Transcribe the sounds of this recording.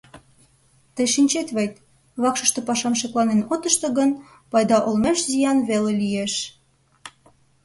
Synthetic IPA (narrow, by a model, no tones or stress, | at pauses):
t̪əjʃinʲt͡ɕet̪βejt̪̚ | βɑkʃə̆ʃt̪ɤ̆pɑʃɑmʃeklˠɑnenot̪ə̆ʃt̪ɤ̆ɣən | pɑjd̪ɑʔolmeʃzijɑnβelelijeʃ